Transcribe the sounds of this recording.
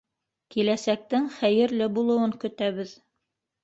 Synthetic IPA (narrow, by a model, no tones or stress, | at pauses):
kilæsæk̚t̪ɘŋχæjɘ̆ɾlɘbulˠɤ̆wɤŋkɵ̆t̪æβɘð